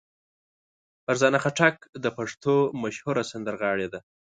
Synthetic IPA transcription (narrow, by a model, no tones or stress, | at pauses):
pəɾzɑnaxaʈakd̪əpaʂt̪omaʃhuɾasand̪əɾɣɑɽed̪a